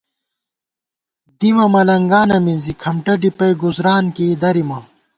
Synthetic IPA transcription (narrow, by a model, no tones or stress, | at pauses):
d̪imɐmɐlɐŋɡaːnɐminzikʰɐmʈɐɖipɐjɡuzɾaːnkeːd̪ɐɾimɐ